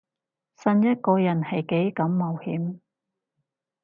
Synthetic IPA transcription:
sɐ˧njɐ˥t̚kɔː˧jɐ˨˩nhɐ˨jke˨˥jkɐ˨˥mːɐ˨whiː˨˥m

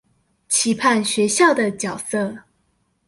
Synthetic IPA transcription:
t͡ɕʰi˧˥pʰa˥˨nɕɥɛ˧˥ɕjɑ˥˩ʊd̪ə˩t͡ɕjɑ˨˩ʊsə˥˩

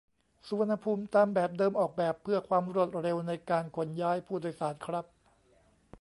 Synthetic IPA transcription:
su˧wa˧nha˧pʰuː˧mt̪aː˧mbɛː˨˩p̚dɤː˧mʔɔː˨˩k̚bɛː˨˩pʰːɯ˥˩ɐkʰwaː˧mɾu˥˩ət̪̚ɾe˧wna˧jkaː˧nkʰo˧njaː˦˥jpʰuː˥˩do˧˩˧jsaː˩˦nkʰɾa˦˥p̚

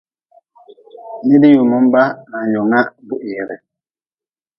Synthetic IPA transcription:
ni˦di˦ju˨mu˦m˦ba˦a˨jo˨ŋa˦bu˦ʔi˨ɾɛ̰˨

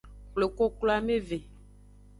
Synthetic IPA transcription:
kle˨ko˦klo˦a˦me˦ve˨

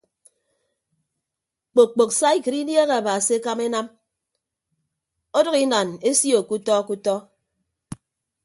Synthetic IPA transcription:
k͡po˨k͡po˨ksa˦i˦kɨ˨ɾi˦dje˦ɣe˨a˨ba˨si˨˦e˦ka˦me˦na˦m | o˦dɔ˦ɣi˦na˨ne˦si˦o˨ku˦tɔ˦ku˦tɔ˦

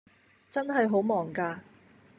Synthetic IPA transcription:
t͡sɐ˥nɦɐ˨jɦo˨˥wmɔː˨ŋkaː˧

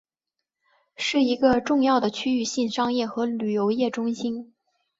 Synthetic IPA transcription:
ʂɻ̩˥˩i˧˥ɡə˧ʈ͡ʂʊ˥˧ŋjɑ˥˩ʊd̪ə˩t͡ɕʰy˥y˥˧ɕi˥˩nʂɑ˥ŋjɛ˥˩xɤ˧˥ly˨˩jo˧˥ʊjɛ˥˩ʈ͡ʂʊ˥ŋɕi˥n

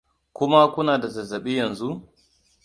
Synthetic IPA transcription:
kʷʊ˦ma˦kʷʊ˦naː˨da˨zɐ˨zɐ˨ɓiː˦jɐ˨nzu˦ʔ

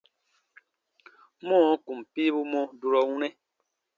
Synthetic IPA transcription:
mɔ̃ː˦˨˦ku˨mpi˦bu˦mɔ˦du˨ɾɔ˨wu˦nɛ˦

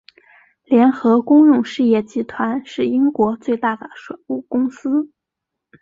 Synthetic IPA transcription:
ljɛ˧˥nxɤ˧˥kʊ˥ŋɻʊ˥˧ŋʂɻ̩˥˧jɛ˥˩t͡ɕi˧˥t̪ʰwa˧˥nʂɻ̩˥˩i˥ŋkwɔ˧˥t͡swe˥˧ɪt̪a˥˩d̪ə˩ʂwe˨˩ɪu˥˩kʊ˥ŋsɹ̩˥

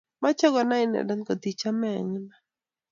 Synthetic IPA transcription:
ma˦t͡ʃɔ˦ɡɔ˨na˦ɪ˦nɛ̰˨da˦nkɔ˨t̪i˨t͡ʃa˦mɛ˨ŋna˦

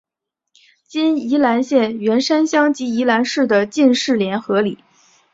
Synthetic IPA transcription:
t͡ɕi˥ni˧˥la˧˥nɕjɛ˥˩nɥɛ˧˥nʂa˥nɕjɑ˥ŋt͡ɕi˧˥i˧˥la˧˥nʂɻ̩˥˩d̪ə˩t͡ɕi˥˧nʂɻ̩˥˩ljɛ˧˥nxɤ˧˥li˨˩˦

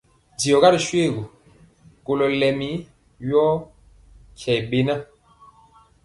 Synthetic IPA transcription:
di˨ɔ˨ɣa˦ɾʃwe˦˨ɡu˨ | ko˨lɔ˨lɛ˨mi˦ | jɔ˦ | kʰjɛ˨be˦na˦

